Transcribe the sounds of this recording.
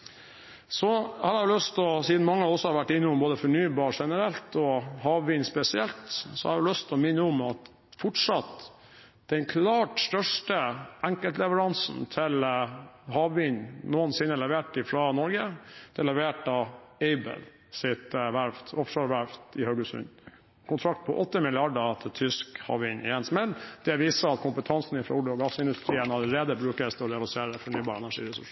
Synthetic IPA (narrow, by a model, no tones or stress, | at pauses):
sɔhɑɾɑʊlœst̪ɔsiːd̪n̩mɑŋːəd̪ɛɔsːɔhɑɾʋæʈːɪnːɪʊmboːd̪əfɔɳyːbɑːɾʂɛnəɾɛlt̪ɔhɑːʋʋɪnspɛsɪɛlt̪sɔhɑ̰ɾʋɪlœst̪ɔmɪnːəʊmɑt̪ | fɔʈʂɑt̪ | d̪̥ɛnkʰlɑːʈst̪œʂʈəʔæŋkəlt̪lɛʋəɾɑnsn̩t̪ʰɪl | hɑːʋʋɪɲnuːənsɪnːəlɛʋeːʈɪfɾɑnɔɾɡəd̪̥ɛlɛʋeːʈɑeɪbə̰l | sɪt̪ʋæɾft̪ʰɔfʂøɾʋæɾft̪ɪhœɡʉsʉ̰n | kʰʊnt̪ʰɾɑkt̪̚pʰɔ̰ʔɔt̪ːəmɪlɪɑɖət̪ʰɪlt̪ʰʏskhɑ̰ːʋʋɪɲɪɛnsmɛld̪̥ɛʋiːsəɑt̪kʰʊmpət̪ʰɑnsn̩ɪfɾɑ̰ʊɖɪɔɡɑsɪnd̪ʉst̪ɾiːənɑləɾeːd̪əbɾʉːkəst̪ʰɪɔɾɛɑlɪseːɾəfɔɳyːbɑːɾɛnæʂḭːɾɛsʉ̰ʂ